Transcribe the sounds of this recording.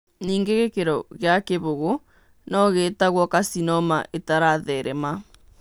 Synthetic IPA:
niːŋɡeɣekeɾɔɣeakeβoɣo | nɔɣeːtaɣwɔkasinɔma̰ʔetaɾaðɛɾɛma

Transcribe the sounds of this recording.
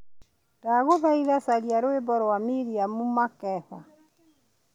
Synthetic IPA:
daɣoðaiðasaɾiaɾoebɔɾwamiɾiamumakɛθa

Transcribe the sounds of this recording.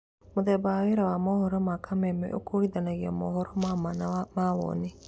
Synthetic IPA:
muðɛbaweɾawamɔhɔɾɔmakʰamɛmɛ̰ʔo̰kʰoiðanaɣiɔmɔɦɔɾɔmamanmawɔ̰ni

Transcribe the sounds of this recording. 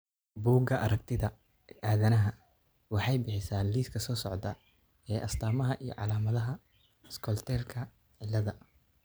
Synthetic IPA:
buːɡɐʔɐɾɐk̚t̪ʰɪðɐ | ʔaːðɐnɐɦɐ | wɑħɑjbɪħɪsaːnliːskʰɐsɔːsɔʕd̪ɐ | ɛːʔɐst̪ʰaːmɐɦɐʔijɞ̰ʕɑ̰laːmɐðɐɦɐ | skʰɔlt̪ʰɛːlkʰɐ | ʕɪlːɐðɐ

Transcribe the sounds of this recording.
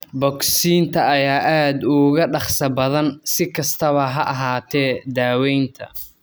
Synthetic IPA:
bɔksiːnt̪ʰɐɐjaːʔaːd̪ʊɣɐɖɑχsɐbɐðɐnsɪkʰɐst̪ʰɐβɐɦɐʔɑɦaːt̪ʰɛːd̪aːwɛjnt̪ʰɐ̰

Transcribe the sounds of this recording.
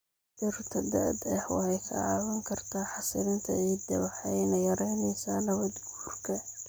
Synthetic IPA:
ʔɪrt̪ʰɐd̪ɐ̰ːd̪ɛħwɑ̰hɛjkʰɐ̰ɑ̰ːwɐŋkʰɐrt̪ʰaːħɑsɪɾɪnt̪ʰɐ̰ɛːd̪ɐβɑħɛjnɐjɐɾɛjnɛsaːnɐβɐd̪ɡuːrkʰɐ

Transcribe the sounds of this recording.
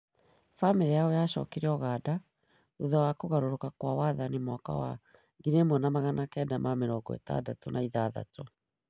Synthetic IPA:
famiɾiaojaɕɔ̰keɾeɔɣaːda | uðɔwakoɣaɾoɾokakwawaːðanimɔka̰wa̰ | ɡiɾemonamaɣanakɛdamameɾɔːɡɔ̰ḛta̰datonʔaiðaða̰tɔ

